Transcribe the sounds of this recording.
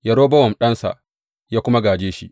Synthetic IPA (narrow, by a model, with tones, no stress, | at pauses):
jɐ˨ɽoː˦bɐ˦wɔ˨mɗɐ˦nsa̰˨ʔ | jaː˦kʷʊ˦ma˦ɡaː˨d͡ʒeː˦ʃḭ˦